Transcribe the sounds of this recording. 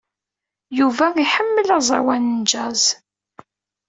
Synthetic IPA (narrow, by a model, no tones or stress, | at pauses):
juvæiħəmːəlɑzˤɑ̰wænənd͡ʒæz